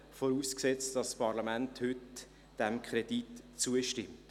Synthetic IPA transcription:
foɾuːsksɛt͡std̥ɑsːpɑɾlɑmænthʏt | d̥ɛmkʰɾɛd̥itt͡suəʃtɪmt

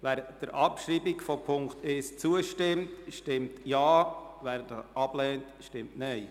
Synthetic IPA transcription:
ʋæːɾd̥əɾʔɑpʃɾiːbikfɔpʰʊŋktʰest͡suəʃtɪmtʃtɪmtjaːʋæːɾdɑʔɑb̥lɛːntʃtɪmtnɛɪ

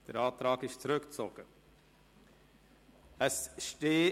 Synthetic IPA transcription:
d̥əɾɑːtɾɑːɡɪʃt͡sɾʏkt͡sɔɡ̥ə | əsʃteː

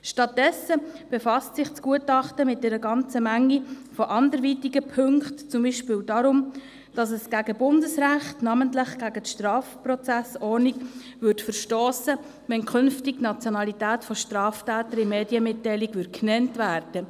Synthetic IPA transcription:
ʃtɑt̚dɛsəb̥ɛfɑstsɪχt͡skuətɑχtəmɪt̚dɛɾəɡɑnt͡səmæŋːi | fɔʔɑndəɾʋiːtiɡəpʰøŋktt͡sʊmbiːʃpɪːldɑɾʊm | d̥ɑsɛsɡ̥æɡəbʊndəsræχtnɑːməntləχɡ̥æɡətʃtrɑːfprɔt͡sæsɔɾniɡ̥ | vʏɾtfəɾʃtoːsə | ʋɛnkʰχʏnftiɡnɑt͡sjɔnɑlitæːtfɔʃtrɑːftæːtəɾimeːdjəmɪtːæɪliɡʋʏt̚knɛntvæːrd̥ə

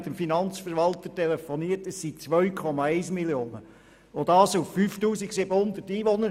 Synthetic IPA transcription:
t̪əmfinɑnt͡sfəɾʋɑltətelefɔniːətəsit͡sʋœɥkʰɔmɑɛɪsmiljoːnə | od̪ɑːsufːyːftuːsiɡsɪbəhʊnd̪ətiːʋonəɾ

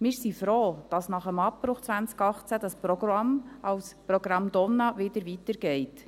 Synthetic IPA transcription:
mɪsifɾoːd̥ɑsnɑχəmɑpːɾʊχt͡svænt͡skɑχt͡sæd̥ɑspɾɔɡ̥rɑmʔɑwsprɔɡɾɑmd̥̪ɔnɑʋɪd̪əɾʋitəɾɡɛɪt

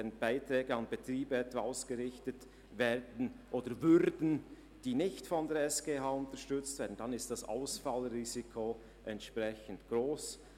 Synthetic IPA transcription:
ɾənb̥aɪtɾɛːɡəɑnbetʁ̥iːbɛtvaːaʊsɡ̥əʁɪçtət | vɛːʁdn̩ʔoːdəvʏʁdn̩ | d̥iːnɪçtfɔndeːɐɛsɡ̥eːɦaːʊntəʃtʏt͡stveːdn̩d̥anɪstd̥asa̰ʊsfalʁiːzikʰo | ʔɛntʃpʁɛçən̩tɡ̥ʁoːs

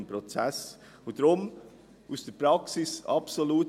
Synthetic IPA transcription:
npɾot͡sɛs | odɾʊm | ʔusd̥əɾpɾɑksɪsɑpsoluːt

